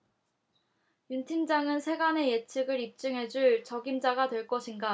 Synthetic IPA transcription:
juntʰimd͡ʑaŋɯnsʰe̞ɡane̞jet͡ɕʰɯɡɯɾip̚t͡ɕ͈ɯŋɦe̞d͡ʑuɭt͡ɕʌɡimd͡ʑaɡatwe̞ɭk͈ʌɕʰinɡa

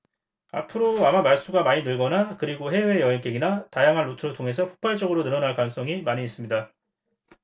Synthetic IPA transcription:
a̰pʰɯɾoamamaɭs͈uɡamaɲinɯɭɡʌnakɯɾiɡoɦe̞we̞jʌɦink͈eɡinatajaŋɦanːotʰɯɾɭtʰoŋe̞sʰʌpʰo̥k̚p͈ʰaɭt͡ɕ͈ʌɡɯɾonɯɾʌnaɭkwaŋs͈ʌŋimaɲiːs͈ɯmɲida

